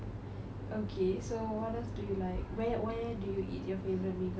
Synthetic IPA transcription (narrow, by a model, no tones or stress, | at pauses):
ʔokʰesowɔtɛsdujulaɪkwɛwɛdujuʔḭtjɔfevəɹət̚mĩɡ